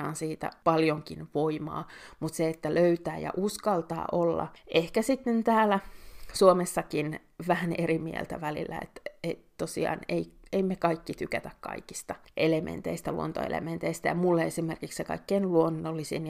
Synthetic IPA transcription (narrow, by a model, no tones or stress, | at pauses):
ɑːnsiːt̪æ̰pɑljoŋkinʋoimɑ̰ːmut̪seet̪ːæløyt̪æːjɑ̰ʔuskɑlt̪ɑ̰ːʔolːɑ̰ʔehkæsit̪nynt̪æːlæsuomesːɑkin | ʋæhænerimiḛlt̪æʋælḭlːæ̰ḛt̪et̪t̪osḭɑ̰ːneieimekɑikːit̪ykæt̪ækkɑ̰iki̥st̪ɑʔelemʔḛnt̪eist̪ælṵo̰nt̪o̰ḛlḛment̪eist̪æjɑmulːeesimerkikssekɑ̰ikːeinluonːolːisḭn